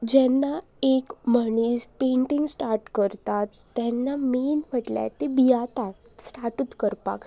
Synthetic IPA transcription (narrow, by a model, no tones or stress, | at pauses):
d͡ʑɛnːa | ekməñispeɳʈiŋɡsʈaɾʈkəɾt̪at̪ːɛnːamenm̤əʈla̰t̪ebijat̪a | sʈaɾʈuːt̪kəɾpa̰k